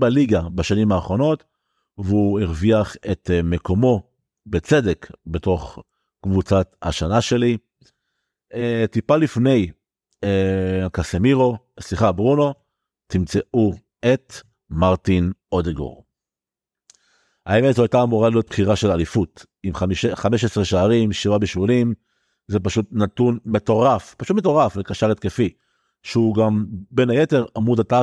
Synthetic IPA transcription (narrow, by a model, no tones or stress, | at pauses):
baliɡabaʃanimaːχʁo̞no̞t | veuiʁviaχe̞tme̞ko̞mo̞ | bet͡se̞de̞kbe̞to̞χ | kvut͡satha̰ʃanaʃe̞li | eetipalifne̞j | kasemiʁo̞sliχabʁuno̞ | timt͡se̞ʔu | et | maʁtinodeɡo̰ʁ | aeme̞tzoajtaːmuʁaleob̥χiʁaʃe̞lalifut | imʃχameʃ̬esʁeʃaːʁimʃivabeʃvulim | zepaʃutnat̪unme̞to̞ʁafpaʃutmet̬o̞ʁaflekaʃaʁet̪̚kefi | ʃeuɡambe̞najete̞ʁamudata